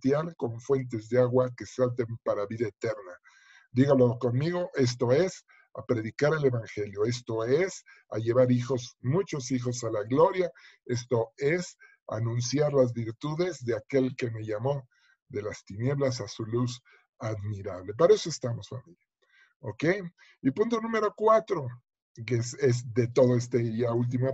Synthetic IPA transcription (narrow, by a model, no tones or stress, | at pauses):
t̪jalko̞ɱfwe̞nt̪̬e̞zðe̞aɣwake̞salt̪̬empaɾaβiðaet̪e̞ɾna | d̪iɣalo̞ko̞nmiɣo̞ʔe̞s̬t̪o̞es | a̰pɾe̞ðikaɾe̞le̞βaŋxe̞ljo̞est̪o̞es | a̰ʝe̞βaɾixo̞zmũt͡ʃo̞sixo̞salaɣlo̞ɾjae̞s̬t̪o̞es | a̰nũnsjaɾlazβiɾt̪uðe̞zðe̞ake̞lke̞me̞ʝamo̞ | ðe̞last̪inje̞βlas̬asulus | aðmiɾaβle̞p̬aɾae̞soe̞st̪amo̞sfamilja | oke̞j | ipũnt̪onũme̞ɾo̞kwat̪ɾo̞ | kesezðe̞t̪o̞ðoe̞st̪eʝault̪̬ima